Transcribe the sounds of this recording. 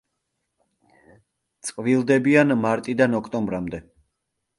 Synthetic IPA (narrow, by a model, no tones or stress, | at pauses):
t̪sʼqʼvilˠd̪ɛbianmaɾt̪ʼid̪anɔkʰt̪ʼɔmbɾamd̪ɛ